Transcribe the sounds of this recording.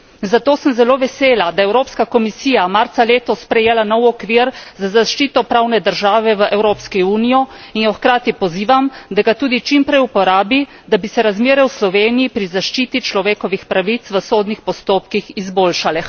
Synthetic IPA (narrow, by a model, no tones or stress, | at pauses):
zat̪oːsəmzɛloːʋɛseːlad̪ajɛwɾoːpskakɔmisiːjamaɾt̪saleːt̪ɔspɾɛjeːlanɔwɔkʋiɾzazaʃt͡ʃiːt̪ɔpɾawnɛd̪əɾʒaːʋɛʋəʔɛwɾoːpskiuːnijɔinjɔxkɾaːt̪ipɔziːʋamd̪aɡat̪uːd̪it͡ʃimpɾɛjupɔɾaːbi | d̪abisɛɾazmeːɾɛwslɔʋeːnijipɾizaʃt͡ʃiːt̪it͡ʃlɔʋeːkɔʋixpɾaʋit̪sʋəsoːd̪nixpɔst̪oːpkixizboːlʃalɛ